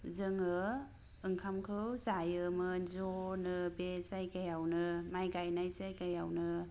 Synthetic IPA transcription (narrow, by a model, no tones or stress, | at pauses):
zɯŋɯ | ɯŋkʰamkʰɯwzajɯmɯzɔnɯbesajkajawnɯmajɡajnajsajkajawnɯ